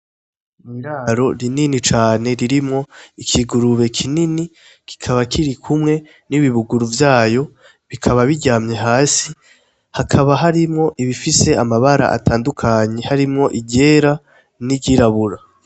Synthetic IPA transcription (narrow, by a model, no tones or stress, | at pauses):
miɾaːɾo̞ɾininit͡ʃaːne̞ɾiɾimŋo̞ikʰiɡuɾuβe̞kʰinini | kʰi̥kʰaβakiɾikʰumŋe̞ | niβiβuɡuɾuvjaːjo̞ | βikʰaβaβiɾɟaːmɲe̞ɦaːsi | hakʰaβaɦaɾimŋo̞ʔiβifise̞amaβaɾa̰ʔa̰tʰaːndukʰaɲe̞haɾimŋo̞ʔiɟe̞ɾa | niɟiɾaβuɾa